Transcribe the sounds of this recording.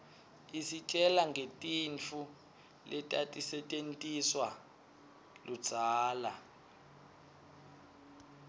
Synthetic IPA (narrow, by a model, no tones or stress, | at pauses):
isit͡ʃʼɛlaŋɡʱetʼint͡fʰu | lɛtʼatʼisɛtʼentʼiswa | lud̥z̥ʱaːla